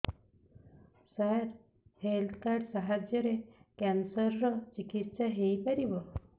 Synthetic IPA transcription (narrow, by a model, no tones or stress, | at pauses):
saɾ | helt̪ʰkaɾɖsaɦad͡ʒjɔɾekɛnsɔɾɾɔt͡ʃikit̪saɦejpaɾibɔ